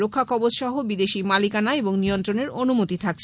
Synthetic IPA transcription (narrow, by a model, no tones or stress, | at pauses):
okʰːakʰɔbod͡ʑʃɔɦobid̪eʃimalikanaeboŋnijont̪ɾoneɾonumot̪it̪ʰak̚t͡ɕʰ